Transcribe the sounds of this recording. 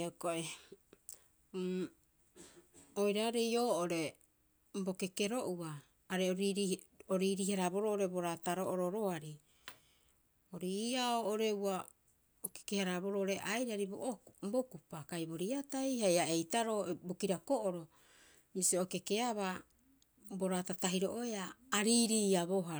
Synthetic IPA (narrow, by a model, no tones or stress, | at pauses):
okoʔe | ojɾaɾejo̞ːʔoɾe̞ | mbo̞ke̞ke̞ɾo̞ʔuaː | ɾeoɾoɾiɾihaɾabo̞ɾoʔoɾe̞bo̞ɾataɾoʔoɾoɾoaɾi | oɾiaoːʔoɾe̞wa | oke̥kehaɾabo̞ɾooɾe̞ʔajɾaɾibo̰ʔombokupakajbo̞ɾiatajhajae̞jtaɾobokiɾakoʔoɾo̞ | misioke̞ke̞aβa | bo̞ɾatataɦiɾoʔoeaːɾiːɾiːaboɦa